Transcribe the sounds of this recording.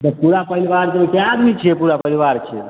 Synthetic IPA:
t̪ɔpuɾapəɾiʋaɾt̪əikeaːd̪mit͡ʃʰepuɾapəɾiʋaɾt͡ʃʰḛ

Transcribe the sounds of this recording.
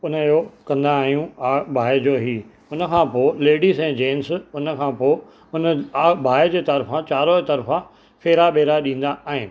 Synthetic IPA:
ʊnəjokɐ̃nd̪aːɦijũabʱaːɪd͡ʑoːɦiː | ʊnə̆kʰãːpoːleːɖizɛ̃ːd͡ʑeːnsʊnəkʰãːpoːɪ | ʊnaːbʱaːed͡ʑeːt̪ɐɾfãt͡ɕaːɾot̪ɐɾfã | fʰeːɾaɓeːɾaɗĩːn̆d̪aʔaːɦɪnɪ̆

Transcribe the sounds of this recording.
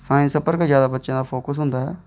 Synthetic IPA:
sãːĩːsəpəɾkzjaːd̪aːbətːʃãːd̪aːpʰoːkəsɦʊ̃nd̪aːɦɛ̰ː

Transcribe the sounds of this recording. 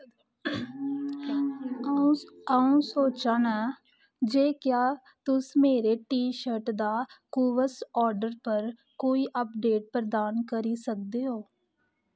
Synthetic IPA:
əũsoːt͡ʃaːnaː | d͡ʒeːkjaː | t̪ʊsmeːɾeʈiːʃəɾʈd̪aːkuːʋəsɔːɾɖəɾpəɾ | koːiːʔəpɖeːʈ̚pɾəd̪aːnkəɾiːsək̚d̪eːɦoː

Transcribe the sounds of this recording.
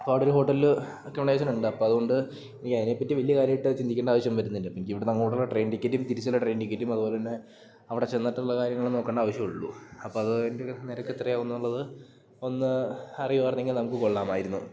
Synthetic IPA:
ɐpːoːɽoɾuɦo̞ːʈːɐl | okːemɳɖaʋɐɕ̬ɐnuɳɖɨɐpːoːɐðuɣo̞ɳɖɨ | enikʲːɐðineːpːɐtːiʋɐlijɐkaːɾjɐmiʈːɨt͡ɕind̪ikʲːeːɳɖaːʋɐɕjɐmʋɐɾunːindɨpinikʲːiʋiɽenɐŋːɭɦoːʈːɐlʈre̞ːnɖikʲːɐʈːumt̪iɾit͡ɕːɐlːɐʈre̞ːɳɖikʲːɐʈːjumɐðupo̞ːlet̪inːe | ɐʋiɽe̞t͡ɕe̞nːɐʈːuɭːɐkaːɾjɐŋːɐɭeno̞ːkːeɳɖaːʋɐɕjɐmuɭːuɐpːoːɐðɨendeneɾɐkːet̪rɐjaːunːuuɭːɐðɨ | o̞nːɨɐrijuʋaːrɐnːeŋɡilnɐmukːɨko̞ɭːaːmaːjiɾunːu

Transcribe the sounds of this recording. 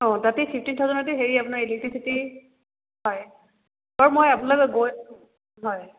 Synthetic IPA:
ɔ̃tatɛpʰipʰtintʰɔzɔnatɛɦeɹiapunaɹelik̚tisiti | ɦɔj | baɹmojapunlɔbɛɡoj | ɦɔj

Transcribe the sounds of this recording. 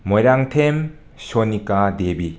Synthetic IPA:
mɔjɾaŋtʰem | sonikadebi

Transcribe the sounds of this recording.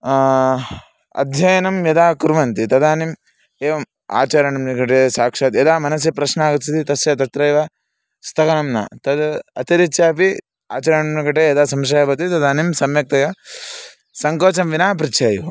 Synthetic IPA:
ɐ̰d̪ʱjɐjɐnɐmjɐd̪aːkuɾʋɐnt̪it̪ɐd̪aːnim | eːʋɐm | a̰ːt͡ʃaːɾjɐɳɐmnɐkɐʈesaːkʂaːt̪jɐd̪aːmɐnɐs̬jɐpɾɐʃnaːɡɐt͡ʃit̪it̪ɐsjɐt̪ɐt̪ɾɐjʋɐ | st̪ʰɐkɐnɐmnɐ̰t̪ɐd̪ɐt̪iɾit͡ʃʃaːpi | a̰ːt͡ʃaːɾjɐɳɐmnɐkɐʈ̬ejɐd̪aːsɐmʃ̬ajɐbɐt̪it̪ɐd̪aːnimsɐmjɐk̚t̪ɐjɐ | sɐŋkoːt͡ʃɐmʋinaːpɾit͡ʃʰaːjɐ

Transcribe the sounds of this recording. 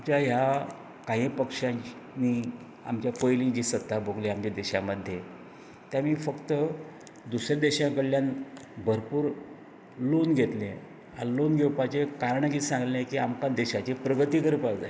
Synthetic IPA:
amt͡ɕjaɦja | kaɦĩpəkʂã | nːi | a̰mt͡ɕjapəjlĩd͡ʑiːsət̪ːabʱoɡleamt͡ɕad̪eɕaməd̪ʱːje | t̪jamiːfəkt̪ə | d̪usɾjad̪eɕãkəɽljanbʱəɾpuːɾ | lonɡʱet̪lẽ | ɦalonɡʱewpat͡ɕekaɾɳəkisãŋɡlẽkiːamkãd̪eɕat͡ɕepɾəɡət̪iːkəɾupad͡za

